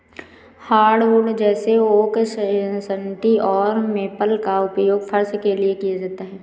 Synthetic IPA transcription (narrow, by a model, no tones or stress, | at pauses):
haːɾɖʋʊɖd͡ʒɛːseoːkssəɳʈiɔːɾmeːpəlkaʊpjoːɡfʰəɾsəkeliekijad͡ʒaːt̪aɦɛː